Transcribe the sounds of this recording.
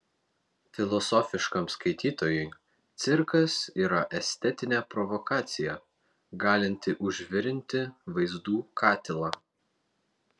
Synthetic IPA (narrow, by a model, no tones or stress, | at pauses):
fʲɪlˠɔsɔfʲɪʃkɐmskɐɪt̪ʲiːt̪oːjʊɪ | t̪sʲɪɾkɐsiːɾɐʔɛsʲt̪ʲɛt̪ʲɪnʲɛːpɾɔʋɔkɑːt̪sʲɪjɛ | ɡɑːlʲɪnʲt̪ʲɪʔʊʒʲʋʲɪɾʲɪnʲt̪ʲɪʋɐɪzd̪uːkʰɑːt̪ʲɪlˠɑː